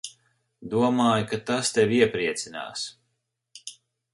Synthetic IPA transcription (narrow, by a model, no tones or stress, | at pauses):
d̪uɔmaːjukat̪ast̪evʲiɛpɾiɛt̪sina̰ːs